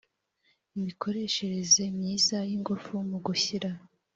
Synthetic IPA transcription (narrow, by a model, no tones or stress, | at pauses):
imikʰo̞ɾe̞ːʃe̞ɾe̞ze̞mɲiːzajiŋɡufumuɡuçiɾa